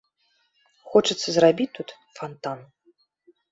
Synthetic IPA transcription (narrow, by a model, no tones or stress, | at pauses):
xɔt͡ʂɨt̪sːɐzrabʲit̪ːut̪ | fant̪an